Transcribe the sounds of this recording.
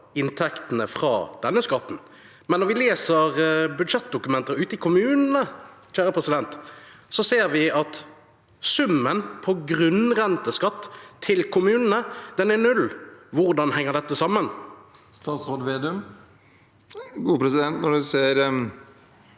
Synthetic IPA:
ɪnt̪ʰɛkt̪ənəfʁɑ̰ːd̪̥ɛnːəskɑt̪ːn̩ | mɛnːɔɾʋɪleːsəʁbʉd̪ʂɛt̪̚ːd̪ʊkʉmɛnt̪əɾʉːt̪ɪkʰʊmʉːnənəçæːɾəpʰʁɛsɪd̪ɛnt̪ | sɔseːʁʋɪɑt̪ | sʉmːənpʰɔɡʁʉnʁɛnt̪əskɑt̪ʰːɪlkʰʊmʉːnənəd̪̥ɛnɛɾnʉlʋʊʁd̪ɑnhɛŋːəʁɖ̪ɛt̪ːəsɑmːənst̪ɑːt̪sɾoːd̪ʋeːd̪əm | ɡuːpʰɾɛsɪd̪ɛnt̪nɔɖʉseːɾ

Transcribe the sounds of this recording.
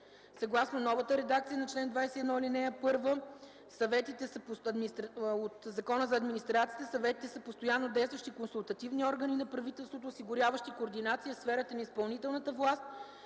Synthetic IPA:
sɐɡlˠasnonɔvət̪əɾɛd̪ak̚t̪siənɐt͡ʃlɛnd̪vajsɛɛd̪nɔilinɛjəpɤɾvə | sɐvɛt̪it̪ɛsəpɐd̪mit̪ɾot̪zɐkɔnəzɐːd̪minʲist̪ɾat̪si̥ət̪ɛsɐvɛt̪i̥t̪ɛsəpost̪ojanːod̪ɛjst̪vəʃt̪ikonsulˠt̪ɐt̪ivniɔɾɡəninɐpɾɐvit̪ɛlˠst̪vot̪oːsiɡʊɾʲjavəʃt̪ikoːɾd̪inat̪sijəfsfɛɾət̪ənɐispɐlˠnit̪ɛlˠnət̪əvlˠast̪̚

